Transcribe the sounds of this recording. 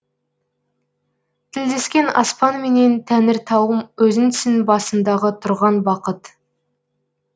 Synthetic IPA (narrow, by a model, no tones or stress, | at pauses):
t̪ʰɪld̪e̞skʲe̞nɑ̰spɑnme̞ne̞nt̪ʰænɪɾt̪ʰɑwəmwɵzɪnt̪ɪ̥sɪnbɑsənd̪ɑʁət̪ʰʊɾʁɑnbɑqət̪